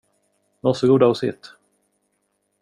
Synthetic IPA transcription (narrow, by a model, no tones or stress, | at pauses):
vasɔɡuːd̪aɔsɪt̪